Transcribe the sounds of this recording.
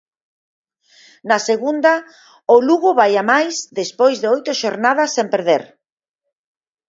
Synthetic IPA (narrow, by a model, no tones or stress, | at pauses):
nɐseɣund̪ɐ | oluɣʊβajamajsd̪espojzðeojt̪ʊʃoɾnaðɐsːempeɾðeɾ